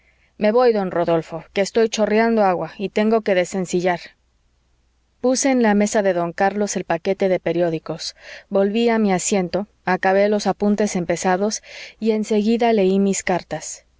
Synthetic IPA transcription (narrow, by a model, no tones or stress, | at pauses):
me̞βo̞jðo̞nro̞ðo̞lfo̞ke̞ːst̪o̞jt͡ʃo̞rjand̪o̞aɣwait̪e̞ŋɡo̞ke̞ðe̞se̞nsiʝaɾ | puse̞ːnlame̞saðe̞ðoŋkaɾlo̞se̞lpake̞t̪e̞ðe̞pe̞ɾjo̞ðiko̞sbo̞lβiamiasje̞nt̪o̞ | akaβe̞lo̞sapunt̪e̞se̞mpe̞saðo̞sie̞nse̞ɣiðale̞imiskaɾt̪as